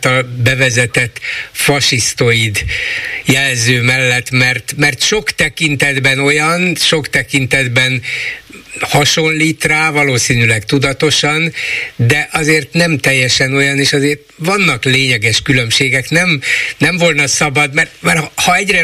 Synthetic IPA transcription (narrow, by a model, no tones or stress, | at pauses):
t̪ɒlbɛvɛzɛt̪ɛt̪ːfɒʃist̪oid̪jɛlzøːmɛlːɛt̪mɛrt̪mɛrt̪ʃo̞kt̪ɛkint̪ɛd̪bɛno̞jɒnʃo̞kt̪ɛkint̪ɛd̪bɛn | hɒʃo̞nliːt̪raːvɒloːsiːnylɛkt̪ud̪ɒt̪o̞ʃɒnd̪ɛʔɒzeːrt̪nɛmt̪ɛjːɛʃɛno̞jɒneːʃɒzeːrt̪ʋɒnːɒkleːɲɛɡɛʃkylø̞mʃeːɡɛknɛmnɛɱvo̞lnɒsɒbɒd̪mɛrt̪mɛrhɒɛɟrɛ